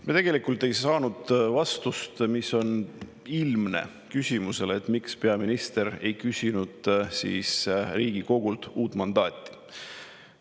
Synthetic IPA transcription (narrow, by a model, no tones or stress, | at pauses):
mit̪e̞ɡ̥e̞likult̪e̞jsɑːnud̪̥vɑst̪ust̪miso̞n | ilmne̞̰ | kysʲimuse̞leːt̪ːˑmikspe̞ɑminist̪e̞ɾe̞̰jkysʲinud̪̥sḭːsriːɡ̥iko̞ɡ̥ult̪uːt̪ːˑmɑnd̪ɑːt̪ːˑi̥